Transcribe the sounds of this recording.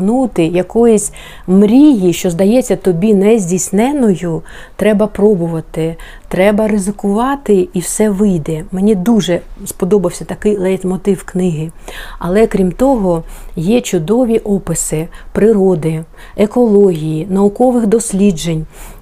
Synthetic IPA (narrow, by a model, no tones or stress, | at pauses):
nut̪ɪjɐkɔjʊsʲ | mɾʲijiʃt͡ʃɔzd̪ɐjɛt͡sʲːɐt̪ɔbʲinɛzʲdʲisʲnɛnɔjʊ | t̪ɾɛbɐpɾɔbʊʋɐt̪ɪ | t̪ɾɛbɐɾɪzɪkʊʋɑt̪ɪiwsɛʋɪjd̪ɛmenʲid̪uʒɛspɔd̪ɔbɐwsʲɐt̪ɐkɪjlˠɛjt̪mɔt̪ɪwknɪɦɪɐlˠɛkɾʲimt̪ɔɦɔjɛt͡ʃʊd̪ɔʋʲiʔɔpɪsɪpɾɪɾɔd̪ɪ | ekɔlˠɔɦʲijinɐʊkɔʋɪxd̪ɔsʲlʲid͡ʒenʲ